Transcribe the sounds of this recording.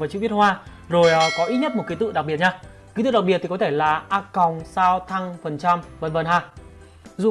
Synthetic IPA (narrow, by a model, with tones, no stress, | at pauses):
vaː˨˩t͡ɕɨ̰˧˨˦vi˦˥ət̚hwaː˧ | zo˨˩jkɔ˨˦ʔi˦˥t̚ɲə˥t̚mo˨˩t̚ki˨˦t̪ɨ̰˧˨ɗa˨˩k̚ɓi˨˩ət̚ɲaː˧ | ki˨˦t̪ɨ̰˧˨ɗa˨˩k̚i˨˩ət̪i˨˩kɔ˨˦t̪ʰe˧˩laː˨˩ʔaː˧kɔ˨˩wŋ͡msaː˧wt̪ʰa˧ŋfə˨˩nt͡ɕa˧mvə˨˩nvə˨˩nɦaː˧˩ | zṵ˧˨